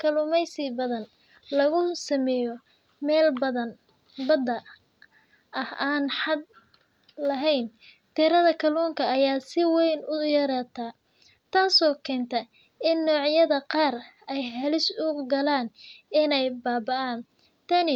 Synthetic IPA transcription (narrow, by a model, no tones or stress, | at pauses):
kʰɐlʊmɛjsɪbɐðɐn | lɐɣʊsɐmɛːjɔ | mɛːlbɐðɐn | bɐd̪ɐ | ɐhaːnħɑd̪̚ | lɐɦɛjn | t̪ʰiːɾɐðɐkʰɐluːŋkʰɐːjaːsɪwɛjnʊjɐɾaːt̪ʰaː | t̪ʰaːsɔːkʰɛːnt̪ʰɐ | ɪnːɔːʕjɐðɐqɑːr | ɛjɦɐlɪsʊɡɐlaːnɪnɛjbaːbɐʔaːn | t̪ʰɐnɪ